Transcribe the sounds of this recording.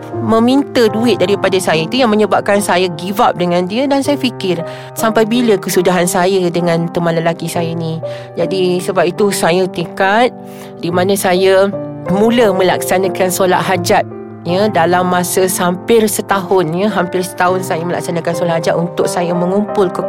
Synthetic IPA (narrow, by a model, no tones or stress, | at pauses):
mə̃mint̪əduɪt̪̚daɾipadasajəit̪ujaŋməɲəbap̚kansajəɡivap̚dəŋãndiədansajaəfikɪr | sampajbiləkəsudaɦansajədəŋãnt̪əmãnləlakisajənĩ | d͡ʒadisəbap̚it̪usajət̪ikat̪̚ | dimanə̃sajəmũləmə̃lak̚sanãkansola̰ʔ̪̚ɦad͡ʒat̪̚ | jədalamːasəsampɪrsət̪aɦʊnjəɦampɪrsə̥t̪aɦʊnsajəməla̰k̚sanakansolaʔhad͡ʒat̪̚unt̪ʊk̚sajəmə̃ŋumpʊlkə